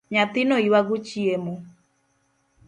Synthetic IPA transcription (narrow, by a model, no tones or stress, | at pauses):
ɲat̪ɪnɔiwaɡut͡ʃiemo